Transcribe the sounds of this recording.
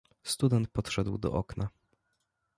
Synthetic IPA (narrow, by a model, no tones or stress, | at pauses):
st̪ud̪ɛnt̪̚pɔt̪ʂɛd̪wd̪ɔ̰ʔɔkna